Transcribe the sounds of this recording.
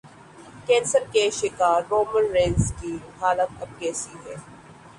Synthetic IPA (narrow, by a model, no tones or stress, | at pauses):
kɛ̃ːnsəɾkeʃɪkaːɾːoːmənɾẽːnskiɦaːlət̪ɐb̚kɛːsiɦɛː